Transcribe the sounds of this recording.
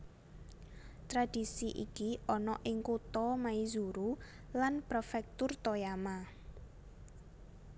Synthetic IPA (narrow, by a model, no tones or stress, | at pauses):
t̪ɾad̥isiʔḭkiɔnɔʔɪŋkut̪ɔmaizuɾu | lanpɾɔfɛk̚t̪ʊrt̪ɔjama